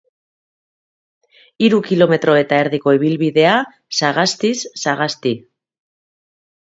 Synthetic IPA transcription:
iɾukilo̞me̞t̪ɾo̞e̞t̪aeɾðiko̞iβ̞ilβiðe̞a | saɣast̪isːaɣ̞ast̪i

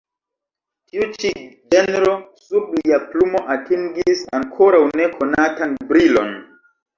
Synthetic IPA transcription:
tiut͡ʃid͡ʒenɾo̞subliaplumo̞ʔatiŋɡisa̰ŋkʰoɾawne̞kʰo̞natanbɾilo̞̰n

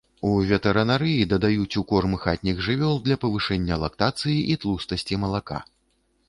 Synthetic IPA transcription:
uvʲɛt̪ɛɾɐnaɾɨjid̪ɐd̪ajut͡sʲukɔrmɨxat̪ʲnʲiɣʐɨvʲɔlˠd̪lʲɐpɐvɨʂɛnʲːɐlˠɐkt̪at̪sɨjiʔit̪lˠust̪ɐsʲt͡sʲimɐlˠaka̰

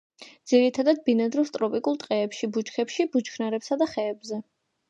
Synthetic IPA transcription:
d̪z̥iɾit̪ʰad̪ad̪̚binad̪ɾist̪ʼɾɔpʼikʼulˠt̪ʼqʼɛːpʃibut͡ʃkʰɛpʃibut͡ʃkʰnaɾɛpsad̪aχɛːbzɛ

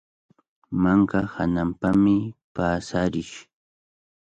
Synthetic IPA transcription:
maŋkahanampamɪpaːsaɾɪʃ

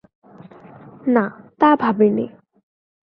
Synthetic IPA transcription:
nat̪abʱabene

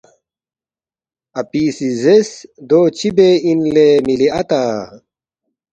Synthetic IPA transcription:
ɐpiːsizesd̪oːt͡ɕibeinlemiliɐt̪aː

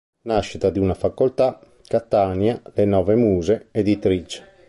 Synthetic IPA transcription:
naʃːit̪ad̪iunafakːolt̪a | kat̪ːaːnjalenɔːvɛmuːzeed̪it̪ɾit͡ʃɛ̥

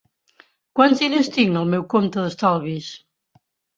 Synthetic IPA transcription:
kwanzðinest̪iŋəlˠmɛwkomt̪əðəst̪alˠβis

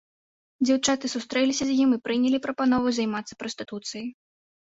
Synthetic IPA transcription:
d͡zʲawt͡ʂat̪ɨsust̪ɾɛlʲisʲɐzʲjimipɾɨnʲɛlʲipɾɐpanɔvɨjzajmat̪sːɐ̥pɾɔst̪ɨt̪ut̪sɨjɐj

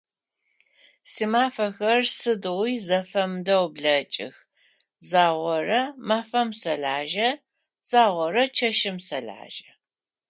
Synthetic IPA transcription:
siːmaːfɐxɐrsɨdɨʁʷiːzɐfɐmdɐwbɮɐt͡ʃʼɪ̰x | zaːʁʷɔrɐmaːfɐmsɐɮʕaːʒɐ | z̥aːʁʷɔɾɐt͡ʃʰɐʃɪmsɐɮʕa̰ːʒɐ̥

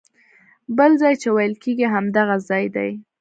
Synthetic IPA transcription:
bəlzɑjt͡ʃewajəlkeɡiɦamd̪aɣazɑjd̪a̰j

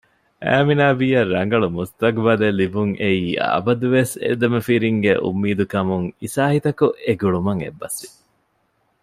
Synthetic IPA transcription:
ʔæ̰ːminaːbiːɐrːɐŋɡɐɭumust̪ɐkʋɐd̪elibuŋʔeiːa̰bɐd̪uʋesḛd̪ɐmefiɾiŋɡeʔṵmːiːd̪ukɐmuŋisaːhit̪ɐkuʔeɡuɭumɐŋḛbːɐsʋi

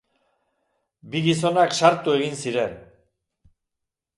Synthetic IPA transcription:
biɣis̬o̞nakʃaɾt̪ue̞ɣinsiɾe̞n

